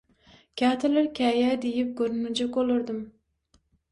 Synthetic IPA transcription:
kʲʰɑːt̪ʰɪlɪɾkʲʰɛjɛd̪ejip̚ɡoɾnud͡ʒɑkolˠʊɾd̪ɨm

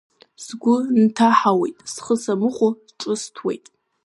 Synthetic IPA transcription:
sɡʷʊntʰaħawejtʼsχəsamɨχʷʊ | ʈ͡ʂʼɨstʰwḛjtʼ

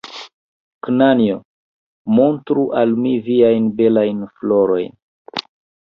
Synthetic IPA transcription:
knanio | mo̞ntɾuʔalmiviajnbe̞lajnflo̞ɾo̞̰jn

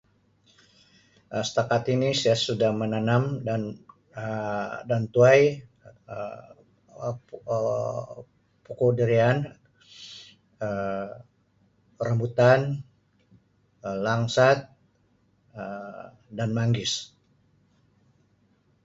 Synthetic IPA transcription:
əsə̥t̪akat̪inisajasudahmənanamdan | dant̪uaj | pukudəɾian | ə | əɾəmbut̪an | əlaŋsat̪̚ | ə | danmaŋɡɪs

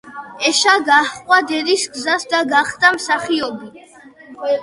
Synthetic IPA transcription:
ɛʃaɡahʼwad̪ɛd̪isɡzasd̪aɡaχd̪amsaχiɔbi

